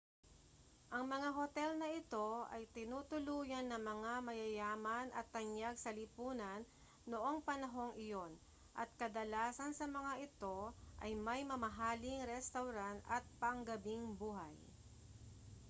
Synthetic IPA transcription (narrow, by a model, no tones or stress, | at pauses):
ʔɐŋmɐŋaɦot̪ɛlnɐʔɪt̪o̞ɐ̰jt̪ɪnuːt̪ʊluːjɐnːɐŋmɐŋamɐjɐjaːmɐnɐt̪ːɐnjaɡ̚sɐlɪpuːnɐnː | oʔo̞ŋpɐnɐɦo̞ŋʔɪjo̞n | ʔɐ̰t̪̚kɐd̪ɐlaːsɐnsɐmɐŋaʔɪt̪o̞ʔɐ̰jmɐjmɐmɐɦaːlɪŋɾɛst̪ɐwɾant̪ɐt̪̚pɐŋɡɐbiŋbuːɦa̰j